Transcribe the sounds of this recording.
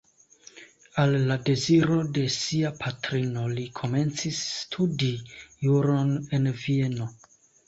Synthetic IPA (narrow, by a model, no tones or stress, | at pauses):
alːade̞ziɾo̞de̞siapʰatɾino̞likʰo̞me̞nt͡sisːtʰudijuɾo̞ne̞nvie̞no̞